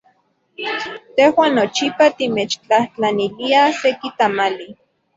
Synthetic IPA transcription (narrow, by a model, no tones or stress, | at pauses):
t̪ehwaːnːot͡ʃipat̪imet͡ʃt͡ɬaht͡ɬaniliasekit̪amali